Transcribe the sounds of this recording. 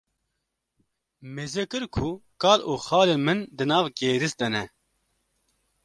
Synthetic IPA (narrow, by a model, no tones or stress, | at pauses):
mezɛkɨɾkʰukɑːlʔuːxɑːleːmɨnd̪ɨnɑːvkeːɾɨsd̪ɛnɛ